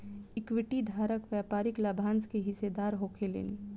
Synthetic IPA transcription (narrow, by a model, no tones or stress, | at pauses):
ɪkʋɪʈid̪ʱaːɾəkʋjaːpaːɾɪklaːbʱãːnskeɦɪsed̪aːɾɦoːkʰelḛːne